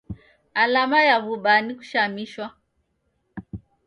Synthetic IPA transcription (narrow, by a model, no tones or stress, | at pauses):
alamajaβuɓaniku̥ʃamiʃwa